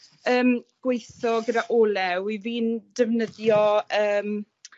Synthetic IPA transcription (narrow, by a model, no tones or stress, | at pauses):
əːmɡ̥wejθɔɡədaʔoːlɛwiviːndəvnəðjɔəːm